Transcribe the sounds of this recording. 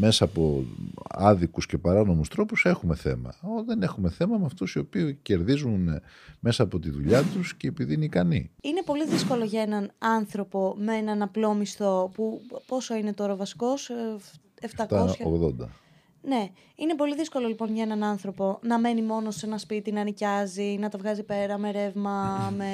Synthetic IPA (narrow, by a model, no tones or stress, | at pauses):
me̞sɐːpo̞̰ | ɐðikusce̞pɐɾɐno̞must̪ɾo̞puse̞xume̞θe̞̰mɐ̰oðe̞ne̞xume̞θe̞mɐmeɐft̪usio̞piuce̞ɾðizun | me̞sɐːpo̞t̪iðuʎɐt̪usce̞ːpiðiineikɐnḭine̞po̞liðisko̞lo̞ʝɐe̞nɐnɐnθɾo̞po̞meenɐnɐplo̞mist̪o̞pupo̞soine̞t̪oɾɐvɐsi̥ko̞s | eft̪ɐkt̪osçoɣðo̰nd̪ɐ̰ | ne̞ | inepo̞liðisko̞lo̞lipo̞nʝɐenɐnɐnθɾo̞po̞nɐme̞nimo̞no̞senɐspit̪inɐnicɐzinɐt̪ɐvɣɐzipe̞ɾɐme̞ɾe̞vmɐme